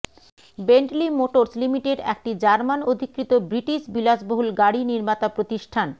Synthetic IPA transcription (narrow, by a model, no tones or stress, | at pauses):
beɳʈlimoʈoɾslimiʈeɖɛ̰k̚ʈid͡ʑaɾmanod̪ʱikɾit̪obɾiʈiʃbilad͡ʑboɦulɡaɽiniɾmat̪apɾot̪iʃʈʰan